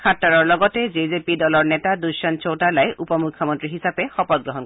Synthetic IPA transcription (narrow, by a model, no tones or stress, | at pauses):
kʰatːaɹɔɹlɔɡɔtɛzizepidɔlɔɹnɛtaduʃɔnt͡ʃowtalajʔupɔmukʰːɔmɔntɹiɦisapɛxɔpɔt̚ɡɹɔɦɔn